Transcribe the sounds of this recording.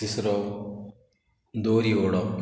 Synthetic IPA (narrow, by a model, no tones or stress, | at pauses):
isɾo | d̪oːɾioːɽɔ